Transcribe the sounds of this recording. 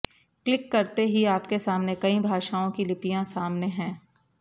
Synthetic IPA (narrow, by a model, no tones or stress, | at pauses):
klɪkːɐɾt̪eɦiaːpkesaːmnekɐĩbʱaːʃaːõkilɪpijãsaːmneɦɛ̃ː